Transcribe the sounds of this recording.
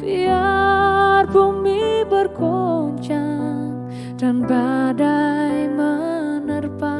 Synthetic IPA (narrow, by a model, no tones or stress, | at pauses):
b̥ia | rbumibərkoɲt͡ʃaŋ | d̥anbadajmənərpa